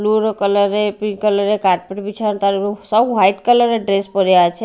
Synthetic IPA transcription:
luɾkələɾepĩkələɾekaɾʈ̚peʈʋit͡ʃʰant̪aɾiũsəwɦajʈkələɾeɖɾespəɾjat͡ʃʰe

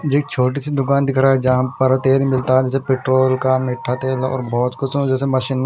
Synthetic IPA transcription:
d͡ʒeːk̚t͡ʃʰoːʈ̬isid̪ʊkaːnd̪ɪkʰɾaːɦɛd͡ʒãːmpɐɾat̪eːlmɪlt̪aɦɛd͡ʒɛːsepeːʈɾoːlkamɪʈʰːat̪eːlɔ̰ːɾbɔːt̪kʊsõd͡ʒɛːsemɐʃɪnː

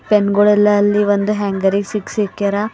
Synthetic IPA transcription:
penɡuɭɛlːɐːlːiʋond̪uɦaːŋɡɐɾiɡsiksikːeɾa

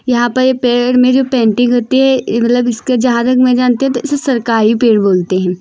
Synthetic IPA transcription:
jɐɦãpɐɾjepeːɽmẽd͡ʒoːpɛ̃ːɳʈɪ̃ŋɡɦoːt̪iɦɛmɐt̪ləbɪsked͡ʒɐɦãɾɐkmẽd͡ʒaːnt̪eɦɛ̃t̪oɪsesɐɾkaːɾipeːɽboːlt̪eɦɛ̃ː

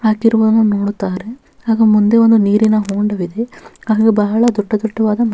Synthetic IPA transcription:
haːkiɾuʋuːd̪ɐnːunoːɽut̪ːaːɾe̞ | aːɡɐmund̪e̞ond̪uniːɾinɐɦoːɳɖɐʋid̪e̞aːɐɡebɐɦɐɭɐd̪uʈːɐd̪uʈːɐʋaːd̪ɐmɐ

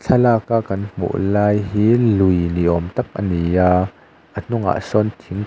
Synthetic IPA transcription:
t͡ɬʰɐlaːkaːkɐnm̥ṵʔlaːjɦiːlujniʔɔmt̪ɐk̚ʔəniaː | ʔən̥ʊŋa̰ʔsɔnt̪ʰiŋ

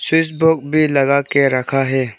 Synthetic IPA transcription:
sus̬bok̚bʱilɐɡaːkeɾɐkʰaɦɛː

